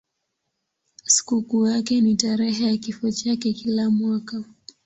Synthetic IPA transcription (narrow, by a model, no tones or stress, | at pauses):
si̥kukujakɛnitaɾɛɦɛjakifɔt͡ʃakɛkilamwaka